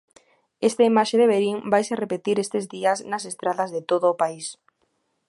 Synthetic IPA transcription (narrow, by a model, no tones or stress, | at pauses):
est̪aimaʃeðeβeɾiŋbajserepet̪iɾest̪ezðiɐznasest̪ɾaðɐzðet̪oðʊːpais